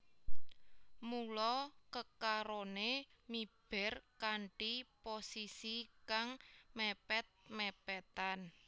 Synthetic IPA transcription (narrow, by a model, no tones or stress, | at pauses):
mulɔkəkaɾonemib̥ɛ̤rkaɳʈiposisikaŋmɛpɛt̪̚mɛpɛt̪an